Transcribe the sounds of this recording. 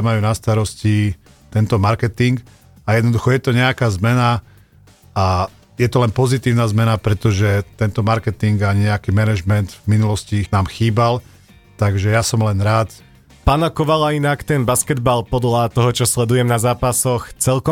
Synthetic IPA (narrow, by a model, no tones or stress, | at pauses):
majuːnast̪aɾɔsci | t̪ɛnt̪ɔmaɾkɛt̪iŋk | ajɛd̪nɔd̪uxɔjɛt̪ɔɲɛakaːzmɛna | a | jɛt̪ɔlɛnpɔzit̪iːʊnaːzmɛnapɾɛt̪ɔʒɛt̪ɛnt̪ɔmaɾkɛt̪iŋɡaɲɛakiːmɛnɛʒmɛnd̪vminulɔscinaːmxiːbal | t̪aɡʒɛjasɔmlɛnɾaːt̪ | paːnakɔʋalainakt̪ɛnbaskɛd̪balpɔd̪lat̪ɔɦɔt͡ʃɔslɛd̪ujɛmnazaːpasɔxt͡sɛlkɔ